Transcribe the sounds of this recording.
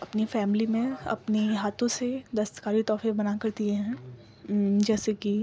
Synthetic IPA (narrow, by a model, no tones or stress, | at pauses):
ɐpnifɛːmɪlimẽɐ̰pniɦaːt̪ʰõsed̪ɐst̪ə̥kaːɾit̪ɔːfẽbɐnakɐɾt̪iẽɦɛ̃ | d͡ʒɛːseki